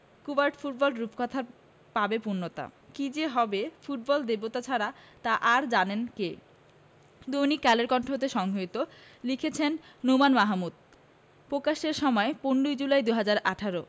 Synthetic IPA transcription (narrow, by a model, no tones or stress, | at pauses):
kubaɾʈfuʈ̚bɔlɖɾupkɔt̪ʰa | pabepuɾnːot̪a̰kid͡ʑeɦɔbefuʈ̚bɔld̪ebot̪at͡ɕʰaɾat̪aʔaɾd͡ʑanenke | d̪ojnikːɛleɾkɔɳʈʰot̪eʃɔŋɡʱoit̪o | likʰet͡ɕʰenːomanmaɦamud̪̥ | pɾokaʃeɾʃɔmɔeponɖujd͡ʑulaed̪uɦad͡ʑaɾaʈʰaɾo